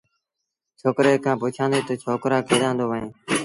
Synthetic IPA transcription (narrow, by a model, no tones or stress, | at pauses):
t͡ʃʰoːkɾeːkʰãːpuːt͡ʃʰãːnd̪eːt̪oːt͡ʃʰoːkɾaːkʰeːɗ̪ãːnd̪oːʋəɦẽː